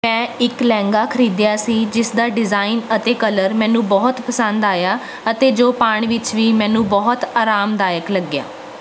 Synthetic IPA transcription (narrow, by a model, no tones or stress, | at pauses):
mɛ̃ːɪklɛ̃ːŋɡaːkʰəɾiːd̪jaːsiːd͡ʒɪsd̪aːɖɪzaːinət̪eːkələɾmɛ̃ːnũːbɔːt̪pəsənd̪aːjaː | ət̪eːd͡ʒoːpaːɳ̃iʋɪt͡ʃʋiːmɛ̃ːnũːbɔːt̪aːɾaːmd̪aːjəkləɡːja̰ː